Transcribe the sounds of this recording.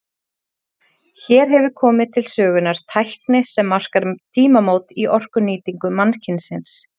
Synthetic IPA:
çɛːɾ̥ɦɛvʏkʰɔːmɪðt̪ʰɪlsœːɣʏnaɾ̥t̪ʰajhknɪsɛmːar̥kaɾt̪ʰiːmamowt̪iʔɔr̥kʏniːt̪iŋkʏmancʰɪnsɪns

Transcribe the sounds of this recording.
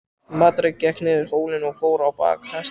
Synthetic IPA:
mat̪ɾɪcːɛhknɪðɪhoːwlɪnɔɣfoːwɾawpa̰ːkhɛs

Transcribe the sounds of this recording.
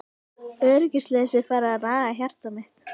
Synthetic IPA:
œɾʏcɪslɛːðsɪðfaːɾaðanaːɣaçjar̥t̪amɪht̪

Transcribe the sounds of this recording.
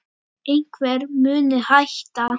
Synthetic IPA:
ejŋkʰvɛːɾmʏːnɪhajht̪a

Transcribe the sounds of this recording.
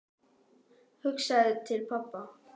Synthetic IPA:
hʏksaðt̪ʰɪlpʰapːa

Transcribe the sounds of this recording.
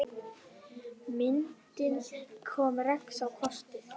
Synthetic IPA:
mɪnt̪ɪnkʰɔːmɾɛksawkʰɔst̪ɪ

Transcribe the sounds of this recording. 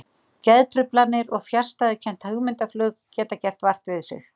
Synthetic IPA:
cɛðt̪ɾʏplanːɪɾɔɣfjar̥st̪aðɪcʰɛn̥t̪hœɣmɪnt̪aflʏːkcɛːt̪acɛr̥t̪var̥t̪vɪðsɪ̰x

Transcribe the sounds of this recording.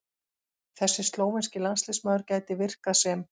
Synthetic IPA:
θɛsːɪst̪loːwvɛnscɪlanst̪lɪsmaːwðʏɾcaːjt̪ɪvɪr̥kasɛm

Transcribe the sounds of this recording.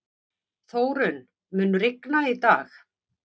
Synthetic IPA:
θoːwɾʏn | mʏːnɾɪknait̪aːx

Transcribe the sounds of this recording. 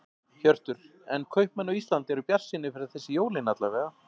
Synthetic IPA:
çœr̥t̪ʏɾ̥ | ɛnkʰœɥhpmɛnːawist̪lant̪ɛɾʏpjar̥sɪnːɪfɪɾaðθɛsːɪjoːwlɪnːat̪lavɛːɣa

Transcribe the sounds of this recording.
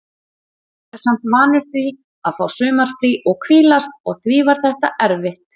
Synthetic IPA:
ɛɾ̥sam̥t̪maːnʏɾ̥fɾi | aðfaːwsʏːmaɾ̥fɾiʔɔɣkʰviːlast̪ɔɣθviːvaɾ̥θɛht̪aʔɛɾvɪht̪

